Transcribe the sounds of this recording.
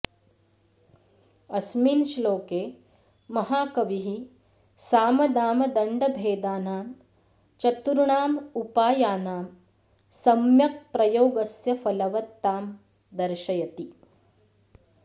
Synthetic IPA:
ɐsmiːnʃloːkeː | mɐɦaːkɐʋiɦi | saːmɐd̪aːmɐd̪ɐɳɖɐbʱeːd̪aːnaːm | t͡ʃɐt̪uɾuɳaːmupaːjaːnaːm | sɐmjɐk̚pɾɐjoːɡɐsjɐfɐlɐʋɐt̪ːaːm | d̪ɐɾʃɐjɐt̪i

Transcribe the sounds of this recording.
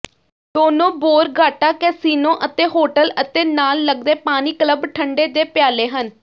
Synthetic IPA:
d̪oːnõːboːɾɡaːʈaːkɛːsiːnõːʔət̪eːɦoːʈələt̪eːnaːlːəɡd̪eːpaːniːkləbʈʰəɳɖeːd̪eːpɪjaːleːɦən

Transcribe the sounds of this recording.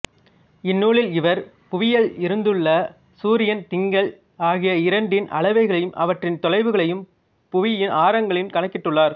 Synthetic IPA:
ɪnːuːɭɪlɪʋɐɾ | pʊʋɪjɐɭɪɾɯnd̪ɯɭːɐ | suːɾɪjɐnt̪ɪŋɡɐɭ | aːɣɪjɐɪɾɐɳɖɪnʔɐ̰ɭɐʋɐɪɣɐɭɐjɯmʔɐ̰ʋɐʈrɪnt̪ɔɻɐɪʋɯɣɐɭɐjɯm | pʊʋɪjɪnʔaːɾɐŋɡɐɭɪnkɐɳɐkːɪʈːɯɭːaːɾ

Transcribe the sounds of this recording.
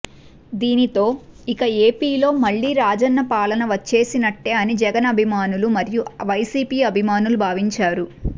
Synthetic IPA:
d̪iːnit̪o̞ːikɐe̞ːpiːlo̞ːmɐɭːiːɾaːd͡ʒɐnːɐpaːlɐnɐʋɐt͡ʃːe̞ːsinɐʈːe̞ːɐnid͡ʒɛɡɐnɐbʱimaːnulumɐɾijuʋɐjsiːpiːɐbʱimaːnulubʱaːʋiɲt͡ʃaːɾu

